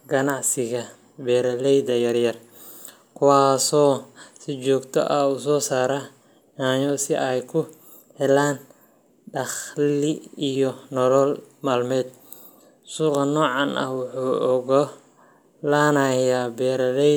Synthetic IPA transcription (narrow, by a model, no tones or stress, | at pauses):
ɡɐnɑʕsɪɣɐ | bɛːɾɐlɛjd̪ɐjɐrjɐr | kʰʊwaːsɔːsɪt͡ʃɔːɡt̪ʰɔ̰ʔɐus̬ɔːsaːɾɐ | aːɲɔsɪʔɛjkʰʊ | hɛlaːn | ɖɑχlɪijɔnɔlɔlmaːlmɛːd̪ | suːqɑnɔːʕɑnʔɐ̰hwʊħuːʔɔɣɔ | lanɐjaːbɛːɾɐlɛ